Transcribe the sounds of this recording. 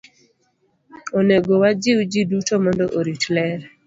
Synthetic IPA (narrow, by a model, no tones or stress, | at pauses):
oneɡowad͡ʒɪwd͡ʒidutomɔndɔʔoɾitlɛɾ